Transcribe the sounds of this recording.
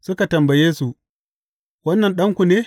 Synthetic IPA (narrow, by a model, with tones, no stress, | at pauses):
sʊ˦ka˨tɐ˨mbɐ˨jeː˦su˨ | wɐ˦nːɐ˨nɗɐ˦ŋkʷu˨neː˦